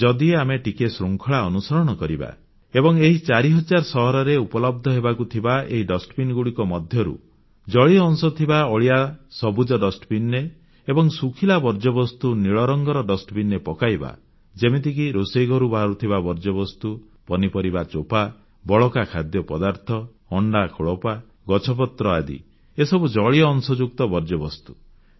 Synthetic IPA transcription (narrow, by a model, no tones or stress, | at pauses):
d͡ʒɔd̪ieameʈikesɾuŋkʰɔɭaɔnusɔɾɔɽ̃ɔkɔɾiba̰ | ebɔŋeɦit͡ʃaɾiɦɔd͡ʒaɾsɔɦɔɾɔɾeupɔlɔb̚d̪ʱɔɦebakut̪ʰibaḛɦiɖɔsʈɔbinɡuɽikɔmɔd̪ʱjɔɾṵ | d͡ʒɔɭiɔŋsɔt̪ʰibaɔɭijasɔbud͡ʒɔɖɔsʈɔbinːe | ebɔŋsukʰilabɔɾd͡ʒɔbɔst̪uniɭɔɾɔŋɡɔɾɔɖɔsʈɔbinːepɔkajba̰ | d͡ʒemit̪ikiɾoseɡɔɾubaaɾut̪ʰiβabɔɾd͡ʒɔβɔst̪u | pɔnipɔɾibat͡ʃopa | bɔɭɔkakʰad̪jɔpɔd̪aɾt̪ʰɔ | ɔɳɖakʰoɭɔpa | ɡɔt͡ʃʰɔp̬ɔt̪ɾɔad̪ḭ | esɔbud͡ʒɔɭiɔɔŋsɔd͡ʒuk̚t̪ɔbɔɾd͡ʒɔbɔst̪u̥